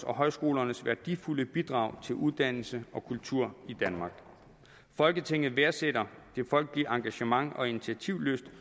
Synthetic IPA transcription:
ɒ̽ɦɒ̽ɪsɡ̥o̝ːlɐnəsʋæɐd̥ifuləb̥id̥ʁɑ̈ʊt͡sʰe̝lʔuðˠd̥æn̰l̩səɒ̽kʰult͡sʰuɐ̰id̥ænmɑ̈ːɡ̥ | fɒ̽lɡ̥ət͡sʰe̝ŋ̰ð̞̩ˠʋeɐseɾ̥ɐd̥e̝fɒ̽l̰ɡ̥̚iɐɑ̈ŋɡ̥æɕəmɑ̈ŋɒ̽init͡sʰiæt͡sʰiʊ̰løsd̥

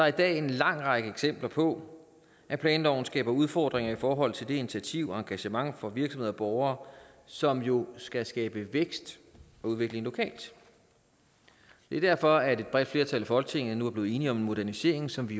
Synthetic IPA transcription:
d̥ɑ̈ɐid̥ɛ̰ːe̝nlɑ̈ŋ̰ʁɑ̈ɡ̥əeɡ̥sem̰b̥lɐpʰɒ̽ | ʔæpʰlɛːndɒʊ̰n̩sɡ̥ɛ̰ːb̥ɐuð̞ˠfɒ̰ːd̥ʁeŋɐifɒːɦɒ̽l̰t͡sʰe̝ld̥e̝enit͡sʰiæt͡sʰiʊ̰ɒɑ̈ŋɡ̥æɕəmɑ̈ŋfɒ̽ʋiɐɡ̥sɒmhḛɒb̥ɒʊɐːsɒ̽mjo̝sɡ̥æsɡ̥ɛːb̥əʋeɡ̥sd̥ | ɒ̽uð̞ˠʋe̝ɡ̥le̝ŋlo̝kʰɛ̰ːld̥ | d̥e̝ɐdæɐ̰fɒ̽æɐde̝d̥̚b̥ʁɛd̥fle̝ːɐt͡sʰæl̰æfɒ̽lɡ̥ə̥t͡sʰe̝ŋ̰ð̩ˠnuæɐb̥le̝ːe̝ːniɒ̽me̝nmo̝d̥æɐnise̝ɐ̰e̝ŋsɒ̽mʋi

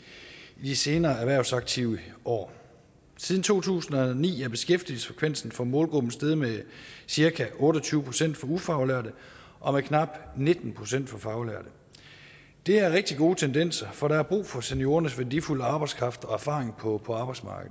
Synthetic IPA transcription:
id̥ise̝ːnɐːæʋæɐ̰ʊsɑ̈ɡ̥̚t͡sʰiʊəʔɒ̰ː | sið̞ˠn̩t͡sʰo̝̰ːt͡sʰṵːsn̩ɒ̽nḭːæɐb̥e̝sɡ̥efd̥ið̩ˠsfʁɛ̥kʰʋen̰sn̩fɒ̽mɔ̽ːlɡ̥ʁub̥n̩sd̥eð̞ˠmesiɐkʰæʔɔ̽ːɾɒt͡sʰyːʊəpʰʁo̝sen̰d̥fɒ̽ufɑ̈ʊlæɐd̥ə | ʔɒ̽mekʰnɑ̈b̥ne̝d̥n̩pʰʁo̝sen̰d̥fɒ̽fɑ̈ʊlæɐ̰d̥ə | d̥e̝æɐʁeɡ̥̚d̥iɡ̥o̝ːt͡sʰend̥en̰sɐfɒ̽ɾ̥ɑ̈æɐb̥ʁṵːfɒ̽senijo̝ːɐnəsʋæld̥ifuləɑ̈ːb̥ɑ̈ɪskʰʁɑ̈fd̥ɒ̽æɐfɑ̈ːʁeŋpʰɒpʰɒ̽ɑ̈ːb̥ɑ̈ɪsmɑ̈ːɡ̥əð̩ˠ

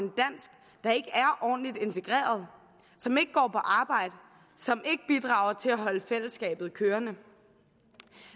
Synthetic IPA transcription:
nd̥æn̰sɡ̥ | d̥ɑ̈e̝ɡ̥əæɐʔɒ̰ːnlid̥e̝nt͡sʰe̝ɡ̥ʁɛ̰ːɐð̞̩ˠ | sɒ̽me̝ɡ̥əɡ̥ɒ̰ːpʰɒ̽ʔɑ̈ːb̥ɑ̈ɪ̰d̥ə | sɒ̽mʔe̝ɡ̥əb̥id̥ʁɑ̈ːʊɐt͡sʰe̝læɦɒ̽ləfel̰əsːɡ̥ɛ̰ːb̥ð̩ˠkʰøːɐnə

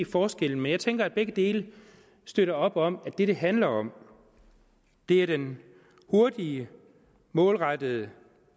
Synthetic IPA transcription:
fɒːsɡ̥el̰n̩menjɑɪt͡sʰeŋɡ̥ɐæd̚b̥eɡ̥əd̥e̝̰ːlə | sd̥øɾɐɒ̽b̥ɒ̽m̰æd̥e̝ɾ̥e̝ɦænlɐɒ̽m̰ | d̥e̝æɐɾ̥en | ho̝ɐd̥iə | mɔ̽ːlʁɑd̥əð̩ˠə

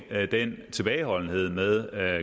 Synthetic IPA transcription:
d̥ent͡sʰe̝b̥ɛːɪɦɒ̽l̰n̩ɦe̝ð̞̰ˠmeðˠ

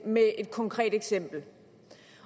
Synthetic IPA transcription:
mee̝d̥̚kʰɒ̽ŋkʰʁɛ̰ːd̥eɡ̥sem̰b̥l̩

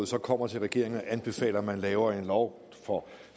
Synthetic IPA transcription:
ð̩ˠsɒ̽kʰɒ̽m̰ɐt͡sʰe̝lʁaɡ̥e̝ɐ̰eŋn̩ɒʔænb̥e̝fɛ̰ːlɐmænlɛːʊɐe̝nlɒʊ | fɒ̽

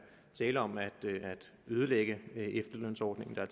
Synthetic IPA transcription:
t͡sʰɛːləɒ̽mæd̥æd̥øð̞ˠəleɡ̥əʔefd̥ɐløn̰sɒːd̥ne̝ŋn̩d̥ɑ̈æɐ

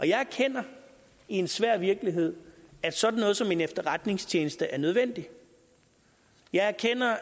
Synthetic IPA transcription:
ʔɒ̽jɑ̈ɪæɐkʰen̰ɐ | ie̝nsʋæɐ̰ʋiɐɡ̥əliɦe̝ð̰ˠæd̥sɒ̽d̥n̩ːɔ̽ːð̞̩ˠsɒ̽me̝nefd̥ɐʁad̥ne̝ŋst͡ɕʰeːnəsd̥əʔæɐnøð̞ˠʋen̰d̥i | jɑ̈ɪæɐkʰen̰ɐ

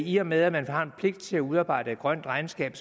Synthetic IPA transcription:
iɒ̽með̞ˠæmænhɑ̈npʰle̝ɡ̥̚d̥t͡sʰe̝læuð̞ˠɑ̈ːb̥ɑ̈ɪ̰ɾ̥ə̥ɡ̥ʁɶn̰d̥ʁɑ̈ɪnsɡ̥ɛ̰ːb̥s

